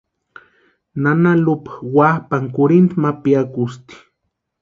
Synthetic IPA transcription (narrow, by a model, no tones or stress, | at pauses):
nanalʊpḁwahpaŋkʊɾint̪mapijakʊst̪i̥